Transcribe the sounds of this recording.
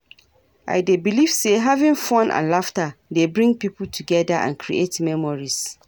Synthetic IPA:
ʔa̰ɪdebiliv̥seɦavĩnfɔ̃nʔã̰nlaftadebɹĩŋɡ̚pip̩tʰuɡɛdaʔã̰nkʰɹḭʔetmɛ̃mɔɹis

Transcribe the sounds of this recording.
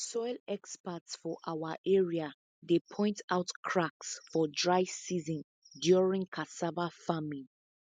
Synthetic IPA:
sɔɪlɛkspatsfɔʔawaʔɛɹia | depʰɔ̃ɪ̃ntʰaʊtkʰɹaksfɔdɹaɪsizɔ̃n | djɔɹĩŋkʰasavafamĩn

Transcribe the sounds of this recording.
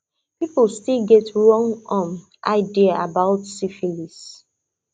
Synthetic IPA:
pipəlstilɡɛtɹɔ̃ŋɔ̃m | ʔa̰ɪdiaʔabaʊtsifilis

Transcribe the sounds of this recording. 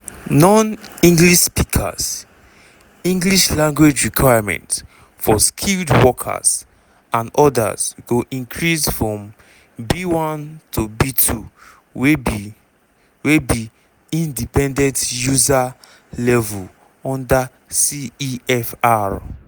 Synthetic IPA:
nɔ̃nĩŋɡliʃspikʰa̰z̥ | ĩŋɡliʃlãŋɡwed͡ʒɹikʰwajamɛ̰̃nt | fɔskʰildwɔkʰa̰z̥ | ãnɔda̰zɡoʔĩŋkʰɹisfɹɔ̃m | biwãntʰobitʰu | w | webi | ĩndipɛ̃ndɛ̃ntjuza | lɛvul | ɔ̃nda | siiɛfaɹ

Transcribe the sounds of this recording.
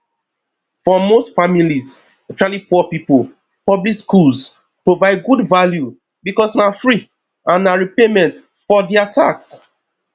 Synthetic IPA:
fɔmostfamiliz | ɛt͡ʃɔɹalipɔpipol | pɔblikskuls | pɹovaɪd̚ɡudvalju | bikɔsnafɹi | ãnːaɹipemɛ̃nt | fɔdiatʰaks

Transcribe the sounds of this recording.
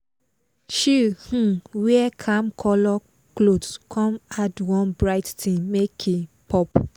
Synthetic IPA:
ʃihũwiɛkʰãmkʰɔlɔ | klodkʰɔ̃madwɔ̃nbɹaɪttĩmekʰepʰɔp

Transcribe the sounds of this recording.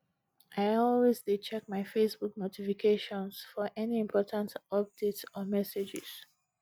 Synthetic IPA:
ʔaɪɔlwezdet͡ʃɛk̚maɪfesbuknotʰifikʰeʃɔ̃nsfɔʔɛniĩmpʰɔtʰãntɔp̚d̥etsɔmɛsed͡ʒɪ̰z̥

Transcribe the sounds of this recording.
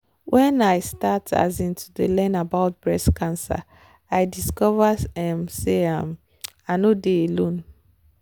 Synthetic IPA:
wʔɛ̃najstatʰa̰zĩntʰudəlɛ̃nabaʊt̚b̥ɹɛskʰãnsa̰ | ajdiskɔvəɛ̃mseãm | anodeelõn

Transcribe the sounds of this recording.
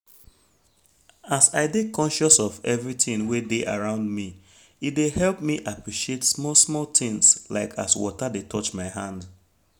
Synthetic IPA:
asaɪdekʰɔ̃nʃɔsɔvɛvɹitĩnwedeʔaɹãʊ̃ndmi | it̚dehɛlˠp̚miʔapɹiʃietsmɔsmɔlˠtĩŋslaɪkʰa̰swɔ̰tadetʰɔt͡ʃmaɪɦãnd

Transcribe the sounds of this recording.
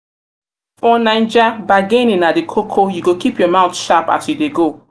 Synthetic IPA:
fɔnãɪ̃nd͡ʒabaɡẽnĩnadekʰokʰojuɡokipjɔmãʊ̃tʃapa̰sjudeɡo

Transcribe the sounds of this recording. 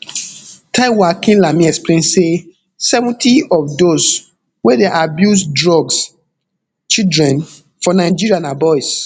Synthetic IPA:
tʰãɪwakĩnlamĩɛksplẽnse | sɛvɔ̃ntiɔfdos | wedeʔabjusdɹɔɡs | t͡ʃidɹɛ̃n | fɔnaɪd͡ʒiɹiãnabɔjs

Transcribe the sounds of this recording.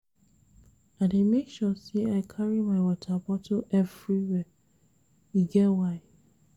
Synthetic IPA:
ademekʃɔseaɪkʰaɹimaɪwɔtʰabɔtʰoʔɛvɹiwɛ | iɡɛwaɪ

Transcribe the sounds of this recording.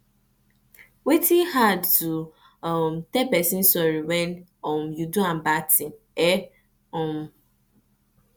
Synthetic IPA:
wetihadtu | mtɛpɛsin̩sɔɾiwɛnɔmjuduãm̩batĩn | ɛ | ɔ̃m

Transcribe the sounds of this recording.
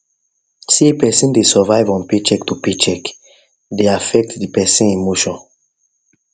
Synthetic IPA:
siepɛsĩndesɔvajvɔ̃npet͡ʃɛktupit͡ʃɛk | deafɛk̚tdipɛsĩnemoʃɔ̃n

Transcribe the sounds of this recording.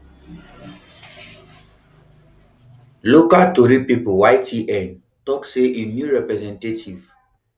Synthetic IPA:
lokaltoɾipipowajtiʔɛ̃n | tɔkseʔenjuɹɛpɾɛzɛ̃ntetʰiv

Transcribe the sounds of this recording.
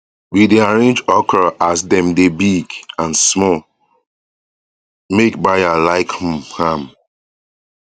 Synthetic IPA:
widiaɹẽnd͡ʒɔkɹaʔasdɛ̃mdebiɡãnsmɔl | mekbajalaɪkhũmhãm

